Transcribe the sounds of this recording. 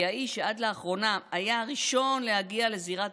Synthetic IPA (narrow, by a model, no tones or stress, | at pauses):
aiʃead̪leaχʁo̞namajaaʁiʃo̞nle̞haɡiale̞ziʁat